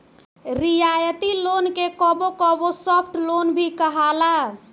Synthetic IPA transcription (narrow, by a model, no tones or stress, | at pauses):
ɾijajət̪ilonkekɔbokɔbosəpʰʈlonbʱikəɦala